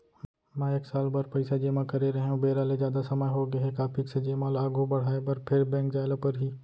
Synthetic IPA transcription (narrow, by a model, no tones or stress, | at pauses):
mɛ̃ːeːksaːlbaɾpɐɪsad͡ʒeːmãkɐɾeɾɐɦeũbeːɾaːlezjaːd̪asɐməjɦoɡɐɦɛkaːpʰiksed͡ʒeːmaːlaːɡʱobɐɽ̤aːebɐɾpʰɪɾbɛ̃ːkd͡ʒaːɪlapɐɾɦiː